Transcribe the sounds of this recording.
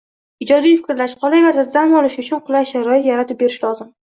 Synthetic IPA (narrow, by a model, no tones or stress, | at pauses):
ɪd͡ʒɒd̪ijfɪ̥kʲɾlaʃqʰɒlˠajʲaɾd̪azamɒlɪʃʊt͡ʃʰʊnqʰʊlˠaʃaɾɒjɪt̪jaɾat̪ʰɪp̚be̞ɾɪʃlɒzɪm